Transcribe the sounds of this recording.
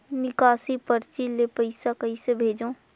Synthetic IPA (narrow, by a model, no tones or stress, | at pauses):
nɪkaːsipɐɾt͡ʃilepɐɪsakɐisebʱeːd͡ʒõː